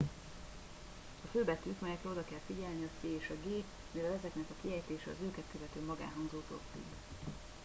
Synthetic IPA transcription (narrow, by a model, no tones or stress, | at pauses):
ɒføːbɛt̪ykmɛjɛkɾɛo̞d̪ɒkɛlfiɟɛlniɒseːeːʃɒɡeː | mivɛlɛzɛknɛkɒkiɦɛjt̪eːʃɛɒ̰zøːkɛt̪køvɛt̪øːmɒɡa̰ːnɦɒŋzoːt̪o̰ːkt̪ḭ